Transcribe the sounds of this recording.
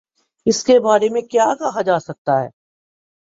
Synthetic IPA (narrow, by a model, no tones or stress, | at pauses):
ɪskebaːɾemẽkjaːkɐɦad͡ʒaːsɐk̚t̪aɦɛ̰ː